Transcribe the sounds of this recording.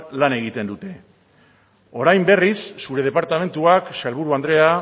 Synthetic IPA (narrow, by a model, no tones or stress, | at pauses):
lane̞ɣ̞it̪e̞nd̪ut̪e̞ | o̞ɾajmbe̞risːuɾe̞ð̞e̞paɾt̪ame̞nt̪uaksalβuɾuand̪ɾe̞a